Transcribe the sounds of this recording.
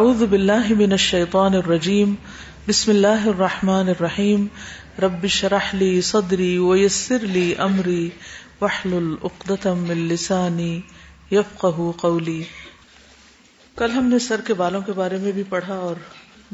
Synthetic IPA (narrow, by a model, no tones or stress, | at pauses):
ʔaʕuːðʊbɪlːaːɦɪmɪnɐʃːɐjt̪ˤɑːnɐrˤːɐd͡ʒiːm | bɪsmɪlːaːɦɪɐrˤːɑħmaːnɪrˤːɐħiːm | ɾˤɐbːɪʃɾɑħliːsˤɑd̪ɾiːwɐjɐsːɪɾliːʔɐmɾiː | wɐħlʊlʔʊqd̪ɐt̪mɪnlɪsaːni | jɐfqɐɦuqɐwliː | kɐlɦɐmnesɐɾkebaːlõkebaːɾemẽbʱipɐɽ̤aɔːɾ